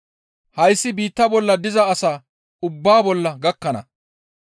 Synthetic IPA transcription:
hɐjsːɪbiːt̪ːɐbɔlːɐd̪ɪzɐːsaː | ʊbːaːbɔlːɐɡɐkːɐnɐ̰

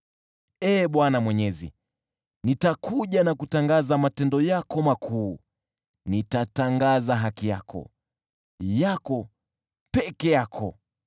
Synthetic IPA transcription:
ɛːɓwanamwɛɲɛzḭ | nitakʰuʄanakutaŋɡazamatɛndɔjakɔmakʰuː | nitataŋɡazaɦakija̰kʰɔ̰ | jakɔ | pɛkɛjakʰɔ

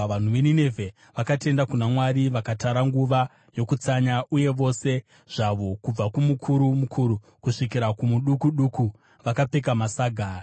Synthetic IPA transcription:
an̤uʋenine̞vʱe̞ | ʋakate̞ndakunamwaɾiʋakataɾaŋɡuʋa | jo̞kut͡saɲaʔuje̞ʋo̞se̞ | ʐ̥aʋo̞kub͡vakumukʰuɾumukʰuɾu | kuʂikiɾakumuɗukuɗuku | ʋakape̞k̬amasaːɡʱaː

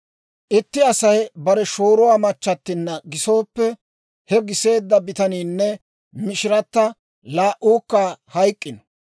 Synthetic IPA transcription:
ʔɪt̪ːɪɐsɐjbɐɾɛʃo̞ːɾʊwaːmɐt͡ʃːɐt̪ːɪnːɐɡɪso̞ːpːɛ | hɛɡɪse̞ːd̪ːɐbɪt̪ɐniːnːɛ | mɪʃɪɾɐt̪ːɐ | laːʔuːkːaːhɐjkʼːɪn

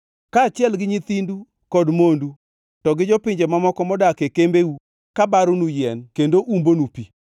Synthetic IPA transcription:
kaːt͡ʃɪɛlɡɪɲit̪indu | kɔdmondu | tɔɡɪd͡ʒɔpɪɲd͡ʒemamɔkɔmɔdakekembeu | kabaɾʊnujɛnkendoʔumbonupi

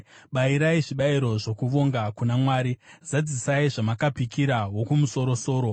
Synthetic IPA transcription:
ɓaiɾaiʐiɓaiɾo̞ʐo̞kuʋo̞ŋɡakunamwaːɾizad͡zisaiʐamakapikiɾawo̞kumuso̞ɾo̞so̞ːɾo̞

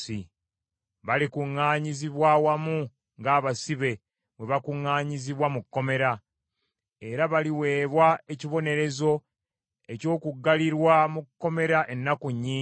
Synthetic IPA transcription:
i | βalikuŋːaːɲiziβwawamu | ŋɡaːβasiβe̞ | βwe̞βakuŋːaːɲiziβwamukːo̞me̞ɾa | e̞ɾaβaliwe̞ːβwae̞ciβo̞ne̞ɾe̞zo̞ | e̞co̞ːkuɡːaliɾwamukːo̞me̞ɾaʔe̞nːakuɲːiː

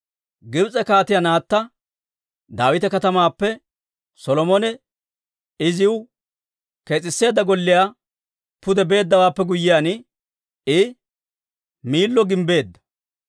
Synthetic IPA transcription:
ɡɪbt͡sʼɛkaːt̪ɪjanaːt̪ːɐ | d̪aːwɪt̪ɛkɐt̪ɐmaːpːɛ | sɔlɔmɔnɛ | ɪzɪwʊ | ke̞ːt͡sʼɪsːe̞ːd̪ːɐɡɔlːɪjaː | pʊd̪ɛbe̞ːd̪ːɐwaːpːɛɡʊjːɪjaːnɪ | ɪ | miːlːɔɡɪmbe̞ːd̪ːɐ̥

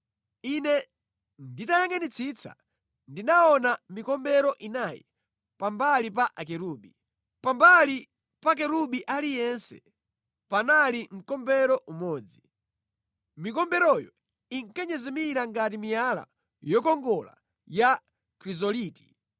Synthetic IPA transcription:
inɛ | nditajaŋanit͡sʰit͡sa̰ | ndinaɔnamikɔmbɛɾɔʔinajḭ | pambalipaʔak̬ɛɾuːɓi | pambali | pak̬ɛɾuɓiʔalijɛnsɛ̰ | panalim̩kɔmbɛɾɔʔumɔːd͡zi | mikɔmbɛɾɔjɔ | iŋkɛɲɛzɛmiɾaŋɡatimijala̰ | jɔkɔŋɡɔla̰ | ja | kɾizɔliːti̥

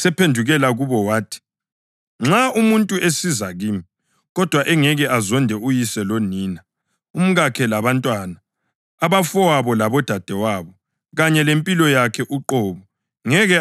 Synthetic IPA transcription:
sɛpʰendʱuɣɛlaɣuβɔwaːtʰi̥ | ŋ͡ǁaumuntʼuʔesizaɣiːmi | ɣɔd̥ʱwaʔɛŋɛɣɛʔazɔndʱɛujisɛloniːna | um̩ɣakʰɛlaβantʼwanaː | βafɔwaβɔlaβɔd̥ʱad̥ʱɛwaβɔ | ɣaɲɛlempʼilɔjakʰɛʔuǃɔːβɔ | ŋɛɣɛ

